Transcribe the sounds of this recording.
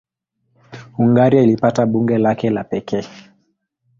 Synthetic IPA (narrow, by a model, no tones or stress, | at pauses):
huŋɡaɾiailipataɓuŋɡɛlakɛlapɛkɛː